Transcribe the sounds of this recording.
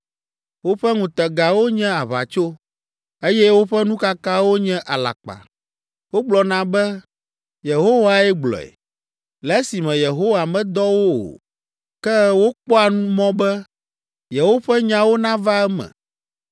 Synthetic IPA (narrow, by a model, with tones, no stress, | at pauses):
wo˦ɸɛ˦ŋũ˨t̪ɛ˨ɡa˨wo˦ɲɛ̃˦a˨βa̰˨t͡ʃo˦ | e˦jɛ˦wo˦ɸɛ˦nũ˦ka˦ka˦wo˦ɲɛ̃˦ʔa˨la̰˨k͡pa̰˨ | wo˦ɡ͡blɔ˨nã˦bɛ˦ | je˨ɦo˦wa˨ɛ˦ɡ͡blɔ̰˨ɛ̰˨ | lɛ˨˦si˨mɛ̃˨je˨ɦo˦wa˨mɛ̃˦d̪ɔ˦wo˦o̰˨ | kɛ˦wo˦k͡pɔ˦a˨nũ˦mɔ̃˦bɛ˦ | jɛ˨wo˦ɸɛ˦ɲã˦wo˦nã˦va˦ɛ˦mɛ̰̃˨